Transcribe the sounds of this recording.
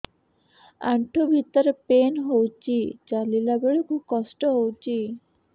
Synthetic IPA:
a̰ɳʈʰobʱit̪ːaɾepenɦowt͡ɕʰit͡ɕalilabeɭekʰub̚kɔsʈoɦowt͡ɕʰi

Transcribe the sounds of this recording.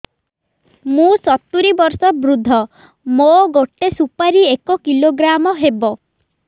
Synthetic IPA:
mũsɔt̪ːuɾibɔɾsɔbɾud̪ʱːɔ | moɡoʈːesupaɾiekɔkiloɡɾamɔɦebɔ

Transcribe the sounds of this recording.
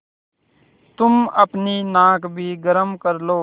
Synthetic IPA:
t̪ʊməpniːnãːkbʱiːɡəɾəmkəɾloː

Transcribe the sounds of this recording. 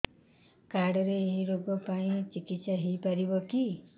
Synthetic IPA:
kaɾɽɔɾeːɦiɾoɡɔpaĩt͡ʃikitsaɦipaɾibɔki

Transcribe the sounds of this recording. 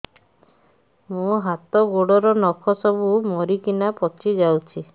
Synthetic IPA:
mũɦat̪ɔɡoɽɔɾɔnɔkʰɔsɔbumɔɾikinapɔt͡ʃid͡ʒawt͡ʃʰi

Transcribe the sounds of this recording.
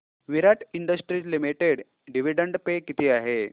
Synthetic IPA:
ʋiɾaʈiɳɖəsʈɾiːd͡ʑlimiʈeɽ | ɖiʋiɖəɳɖpekit̪ʰiːaɦe

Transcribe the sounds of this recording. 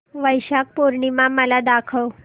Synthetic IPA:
ʋəjɕak̚poɾɳimaməlad̪akʰəw

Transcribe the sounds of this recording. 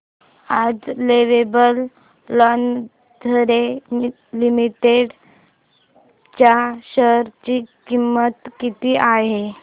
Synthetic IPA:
ad͡zleʋebəlː | ɔn | d̪ʱəɾe | limiʈeɽ | t͡ɕaɕəɾt͡ɕiːkimːət̪kit̪iːʔaɦe

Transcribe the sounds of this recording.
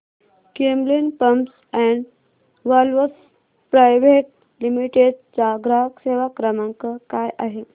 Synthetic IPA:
kemlinpəms | ɛɳɖ | ʋalʋəs | pɾajʋeʈ̚ | limiʈeɖt͡saɡɾakseʋakɾəmãŋkəkajʔaɦe

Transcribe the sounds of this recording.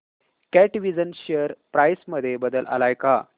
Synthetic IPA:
kɛʈiʋid͡zənɕeəɾpɾajsməd̪ʱːjebəd̪əlʔa̰lajka

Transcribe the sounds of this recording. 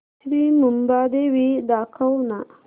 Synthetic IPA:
ɾimumbad̪ewid̪akawna

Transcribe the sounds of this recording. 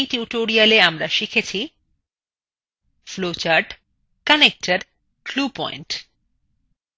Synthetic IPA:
tjuʈoɾialeamɾaʃikʰet͡ɕʰi | flot͡ɕaɾɖ | kanek̚ʈaɾ | klupɔ̰inɳʈ

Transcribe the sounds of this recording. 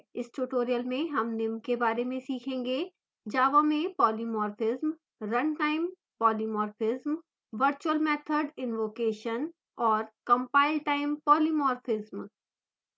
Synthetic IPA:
ɪsʈuʈoːɾijəlmẽɦɐmnɪmkebaːɾemẽsiːkʰẽːŋɡe | d͡ʒaːʋamẽpɔːlimɔːɾfɪzm | ɾɐ̃ɳʈaːɪ̃m | pɔːlimɔːɾfɪzm | ʋəɾt͡ʃuəlmɛːt̪ʰəɖɪnʋoːkeːʃən | ɔːɾkɐ̃mpaːɪlʈaːɪ̃mpɔːlimɔːɾfʰɪzm

